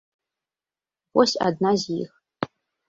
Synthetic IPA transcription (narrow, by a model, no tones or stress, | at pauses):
pʷʼɔsa̰dnazix